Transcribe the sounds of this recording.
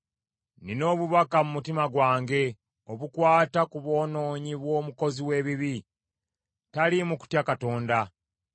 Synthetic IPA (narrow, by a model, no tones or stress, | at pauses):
nino̞ːβuβakamumutimaɡwaːŋɡe̞ | oβukwaːtakuβo̞ːno̞ːɲiβwo̞ːmuko̞ziwe̞ːβiβi | talimuku̥tjakato̞ːnda